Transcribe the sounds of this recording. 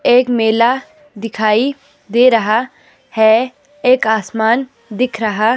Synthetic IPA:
eːkmeːla | d̪ɪkʰaːi | d̪eːɾɐɦa | hɛ | eːkaːsmaːn | d̪ɪkʰɾɐɦa

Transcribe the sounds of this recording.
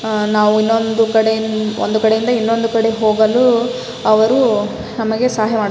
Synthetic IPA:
naːʋuinːond̪ukɐɽeond̪ukɐɽe̞jind̪ɐinːond̪ukɐɽe̞ɦo̞ːɡɐlu | ɐʋɐɾu | nɐmɐɡe̞saːɦjɐmaː

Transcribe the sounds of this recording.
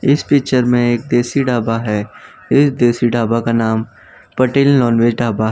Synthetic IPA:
ɪspɪːkt͡ʃəɾmẽeːk̚d̪eːsiɖaːbaɦɛː | ɪsd̪eːsiɖaːbakanaːm | pɐʈeːllɔːnʋeːd͡ʒɖaːbaɦɛ

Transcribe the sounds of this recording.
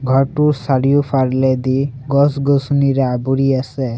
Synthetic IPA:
ɡʱɔʈuɾsaɾijupʰaɾled̪iɡɔsɡosuniɾabuɾiase

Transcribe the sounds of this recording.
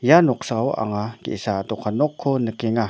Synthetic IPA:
janɔk̚sawa̰ŋakḛsatɔkʰanɔkʰːɔnəkeŋa

